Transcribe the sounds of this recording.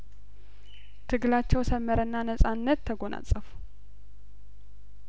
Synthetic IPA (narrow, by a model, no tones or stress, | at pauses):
t̪ʰɨɡlat͡ʃːɛwsəmːəɾənːanəsʼanːət̪ʰːəɡo̞na̰t͡sʼːəfu̥